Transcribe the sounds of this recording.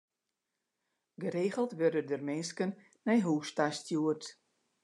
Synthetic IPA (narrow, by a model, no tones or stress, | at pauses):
ɡəreːɣəlˠtʋørdədərmɪnskənː | ɛjɦuːstastjuərt